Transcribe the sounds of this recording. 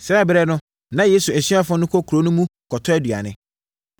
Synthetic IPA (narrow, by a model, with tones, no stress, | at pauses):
sɛ˦˨bɾɛ˦nʊ̃˦ | nã˦je˦su˨n̩˨si˦a˦fʊ̃˦nʊ̃˦kʰo˦kʰu˨ɾo˦nʊ̃˦mũ˦kʰɔ˨tʰɔ˦ɛ˦dɥa̰˨nɪ̰̃˦